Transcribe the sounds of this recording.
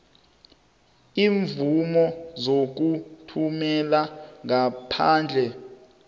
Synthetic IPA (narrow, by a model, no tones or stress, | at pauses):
iːɱvumɔzok̬utʰumɛlaŋapʰaːnd͡ɮʱɛ